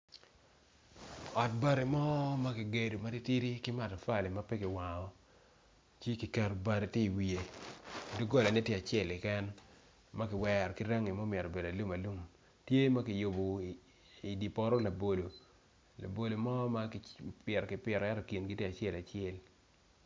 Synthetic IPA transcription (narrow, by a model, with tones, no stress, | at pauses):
ɔ˨t̚ba˦ɾi˨mɔ˦ma˦kɪ˨ɡe˨do˨ma˦ɾi˦ti˦ɾi˦kɪ˦ma˨tɔ˨fa˦˨le˨ma˦pɛ˦kɪ˨wa˨ŋɔ˨ | t͡ʃi˦ki˨ka˨ɾo˨ba˨ɾe˨ti˦i˨wi˨e˨du˦ɡo˦la˨nɪ˦tje˦a˨t͡ʃɪɛ˦˨lɪ˨kɛ˦n | ma˦kɪ˨wɛ˨ɾɔ˨kɪ˦ɾa˦ŋi˨mo˦mjɛ˨ɾo˨be˨da˨lu˦ma˨lu˦m | tje˦ma˦kɪ˨jo˨bo˨ | i˨di˨pɔ˦ɾɔ˦la˨bo˨lo˨ | la̰˨bo˨lo˨mɔ˦ma˦kpjɛ˨ɾɔ˨kɪ˨pɛ˨ɾɔ˨ɛ˦tɔ˨ki˨nɡɪ˦tje˦a˨t͡ʃɪɛ˦˨la˨t͡ʃɪɛ˨l